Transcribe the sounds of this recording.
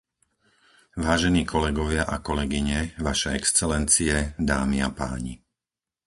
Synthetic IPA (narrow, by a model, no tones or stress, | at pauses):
ʋaːʒɛniːkʰɔlɛɡɔʋɪaʔakɔlɛɡiɲɛʋaʃɛɛkst͡sɛlɛnt͡siɛd̪aːmia̰pa̰ːɲi